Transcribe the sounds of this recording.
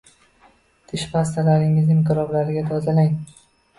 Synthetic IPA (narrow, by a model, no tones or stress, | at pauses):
t̪ʰɪʃpʰas̬t̪ʰalaɾɪŋɪzɪmqɪɾɒblaɾɪɡʲat̪ʰɒzalaŋ